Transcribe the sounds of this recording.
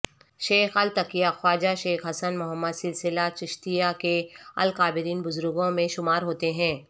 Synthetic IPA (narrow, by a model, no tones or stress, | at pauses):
ʃeːxɐlt̪ɐkijaxwaːd͡ʒaʃeːxɦɐsənmʊɦəmːəd̪sɪlsɪlat͡ʃɪʃt̪ijakeɐ̰lkaːbɪɾiːnbʊzʊɾʊɡõmẽʃʊmaːɾɦoːt̪eɦɛ̃ː